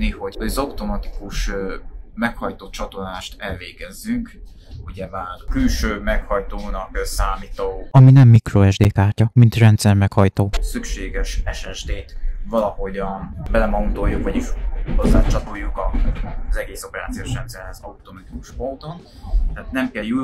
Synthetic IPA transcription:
niho̞ɟoɟɒzɒut̪o̞mɒt̪i̥kuʃ | mɛkhɒjt̪ot̪̚t͡ʃɒt̪o̞laːʃt̪ɛlveːɡɛzːyŋk | uɟɛmaːrkylʃøːmɛkhɒjt̪oːnɒksaːmit̪oːɒminɛmːikroɛʒd̪eːkaːrcɒmint̪rɛnt̪sɛrmɛkhɒjt̪oːsykʃeːɡɛʃɛʃɛʒd̪eːt̪vɒlɒho̞ɟɒnbɛlɛmɒunt̪o̞jːukʋɒɟiʃhozːa̰ːt͡ʃɒt̪ojːukɒzɛɡeːso̞pɛɾa̰ːt̪sioːʃrɛnt̪sɛrhɛzɒut̪omɒt̪iku̥ʃpo̞nt̪o̞n | t̪ɛaːt̪nɛmkɛju

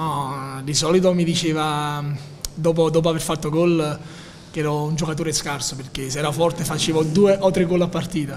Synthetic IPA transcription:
ɔd̪isɔlit̪̬omid̪it͡ʃeːva | d̪ɔːp̬od̪ɔːp̬oaverfat̪ːoɡɔl | k̟ɛːɾɔund͡ʒokat̪oːɾeskarsoperk̟esɛːɾafɔrt̪efat͡ʃeːvod̪uːeʔot̪ːɾeɡːolːapːart̪iːt̪a

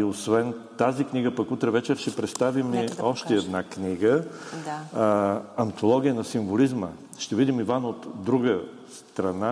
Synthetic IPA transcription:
iosvɛnt̪azikniɡəpɐkut̪ɾɛvɛt͡ʃɛɾʃt̪ɛpɾɛt̪st̪avimiɔʃt̪ɛɛd̪nakniɡə | ɐnt̪olˠɔɡ̟ʲijənɐsiɱvolizmə | ʃt̪ɛvid̪imivanot̪d̪ɾuɡə | st̪ɾɐna

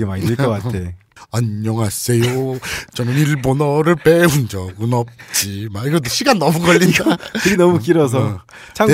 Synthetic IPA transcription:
emaɲidɯɭk͈ʌk͈ae | aɲːʌŋɦas͈ejot͡ɕʌnɯniɭbonʌɾɯɭpeund͡ʑʌunʌp̚t͡ɕ͈imaiɡʌtɕʰiɡanːʌmuɡʌɭːiakɯɡenʌmukiɾʌs̬ʰʌ | t͡ɕʰa

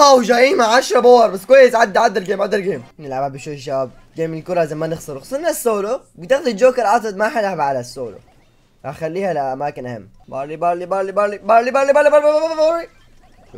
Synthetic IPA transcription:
awʒaʔiːmaʕaʃɾˤɑbowɑɾˤbasːkwajːɪsʕad̪ːʕad̪ːalɡeːmʕad̪ːalɡeːmnɪlʕababɪʃuʃ̬ab̚ | ɡeːmɪlkʊɾˤɑzamːanɪxsˤɑɾxsˤɑnːasːoːlobɪt̪ɪxd̪id͡ʒoːkɪɾˤʔɑt̪ˤɨd̪maħɪlʕabʕalasːoːlo̰ | axalːiːhalaʔamaːkɪnʔhɪ̰mː | bɑ̰libalibalibalibalibalibalibɑɾbabbbḭ

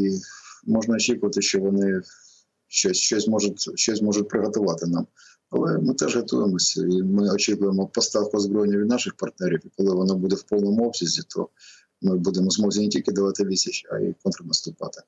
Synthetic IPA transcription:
imɔʒnɐɔt͡ʃʲikʊʋɐt̪ɪʃt͡ʃɔʋɔnɪ | ʃt͡ʃɔsʲʃt͡ʃɔsʲmɔʒʊtʲʃt͡ʃɔsʲmɔʒʊt̚ʲpɾɪɦɔt̪ʊʋɑt̪ɪnɑm | ɐ̰lˠɛmɪt̪ɛʒɦɐt̪ujemɔsʲɐ̰imɪɔt͡ʃikʊjemɔpɔst̪ɑwkʊzbɾɔjnʲːɐʋʲid̪nɑʃɪxpɐrt̪̚nɛɾʲiwikɔlˠɪʋɔnɔbud̪ewpɔlˠnɔmʊɔbsʲizʲit̪ʰɔ̰ | mɪbud̪emɔzmɔwzʲinetʲilʲkɪd̪ɐʋɑt̪ɪʋʲisʲɪt͡ʃɐ̰ḭkɔnt̪ɾɐnɐst̪ʊpɑ̰t̪ɪ̥

